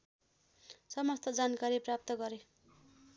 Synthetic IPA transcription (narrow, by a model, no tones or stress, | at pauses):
sʌmʌst̪ʰʌd͡zankaɾiprap̚t̪ʌɡʌɾe